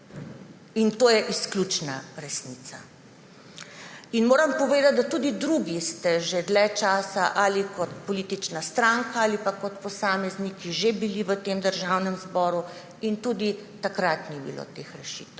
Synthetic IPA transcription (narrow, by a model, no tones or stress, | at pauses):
int̪oːjɛʔisklʲjut͡ʃnaɾɛsniːt̪sa̰ | inmoːɾɐmpɔʋeːd̪at̪̚d̪at̪ud̪id̪ɾuɡist̪ɛʒed̪lɛt͡ʃaːsaʔalikɔt̪̚pɔliːt̪it͡ʃnast̪ɾaːŋkaaːlipakɔt̪pɔsaːmɛznikiʒebiliʋət̪eːmd̪əɾʒaːwnɛmzbɔːɾu | int̪uːd̪it̪akɾat̪nibḭlo̰t̪eːxɾɛʃḭːt̪w